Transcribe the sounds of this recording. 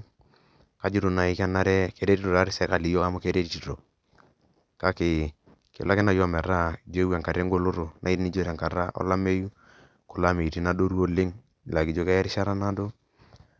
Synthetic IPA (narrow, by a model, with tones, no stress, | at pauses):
ka˨d͡ʒi˦ɾo˨na˨i˦kɛ˦na˦ɾɛ˦ke˦ɾe˦ti˦ɾo˨ɾa˦ɾɪ˦sɛ˦ka˨li˨jo˦ka˦mʊ˦ke˦ɾe˦ti˨ti˨ɾo˨ | ka˦kɪ˨ | kɪ̰˨la˦kɪ˦na˦jɔ˦˨mɛ˨ɾa˦˨d͡ʒe˦wɛ˨ŋka˨ɾe˦ŋɡo˦lo˦ɾo˨nʔa˨i˦ɾni˦d͡ʒo˦ɾɛ˨ŋka˨ɾa˦ʔɔ̰˦la˦me˦ju˦ | kʊ˨la˦me˨ɾi˨na˦do˦ɾu˦o˦lɪ˦ŋ˨ | la˨ki˨d͡ʒo˦kɛ˦ja˦ɾɪ˦ʃa˦ɾa˦na˦do˦